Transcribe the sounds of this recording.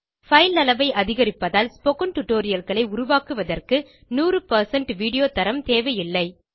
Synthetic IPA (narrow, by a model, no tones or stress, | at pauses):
fɐɪlnɐlɐʋɐɪɐðɪɣɐɾɪpːɐðaːlspoːkɐnʈʊʈːoːɾɪjɐlɣɐɭɐɪʊɾʊʋaːkɯʋɐðɐrkɯ | nuːrɯpɐɾsɐɳʈʋiːɽɪjoːt̪ɐɾɐmt̪eːʋɐjɪlːɐɪ